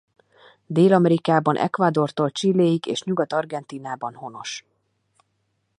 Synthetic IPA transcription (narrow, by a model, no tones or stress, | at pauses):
d̪eːlɒmɛɾikaːbɒnʔɛ̰kʋad̪o̞rt̪olt͡ʃilːeːjikḛːʃɲuɡɒt̪ɒrɡɛnt̪iːnaːbɒnho̞no̞ʃ